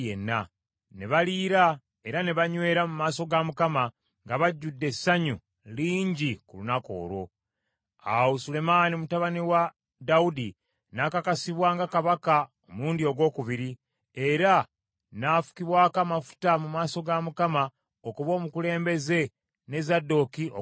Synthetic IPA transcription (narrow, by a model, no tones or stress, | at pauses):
jḛnːa | neβaliːɾa | e̞ɾaneβaɲwe̞ːɾamumaːso̞ɡamukama | ŋɡaβaɟːudːe̞sːaɲu | liːɲɟikulunako̞̰ːɾo̞ | a̰wosule̞maːnimutaβaniwa | daudi | nakakasiβwaːŋɡakaβaka | omuːndio̞ɡwo̞ːkuβiɾi | eɾa | nafu̥kiβwaːkamafu̥tamumaːso̞ɡamukama | okuβo̞ːmukule̞ːmbe̞ze̞ | ne̞zadːo̞kio